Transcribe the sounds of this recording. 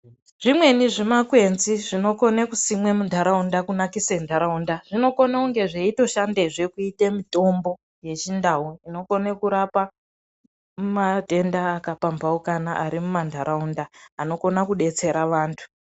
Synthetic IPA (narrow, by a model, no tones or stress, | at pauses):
ʐ̥imwe̞niʐimakwe̞nziʐino̞ko̞nekusimwe̞mundʱaɾaundakunakisendʱaɾaundaʐ̥ino̞ko̞nauŋɡe̞ʐeito̞ʃandeʐe̞kuitemito̞mbo̞ | je̞t͡ʃindaɦuino̞konekuɾapa | mumate̞ndaːkapampaukanaʔaɾimumandʱaɾaundaːno̞ko̞nakuɗe̞t͡se̞ɾaʋaːntʰu̥